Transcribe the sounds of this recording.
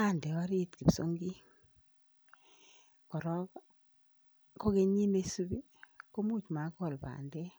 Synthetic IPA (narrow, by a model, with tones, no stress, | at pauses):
a˦˨ndɛ˨wa˦ɾi˦tki˨bso˦ŋɡi˦ | kɔ˨ɾɔ˦ | ko˦ke˦ɲi˦me˦su˦bi˦ | ko˦mu˦˨t͡ʃma˨˦kɔ˦˨lba̰˨ndɛ˦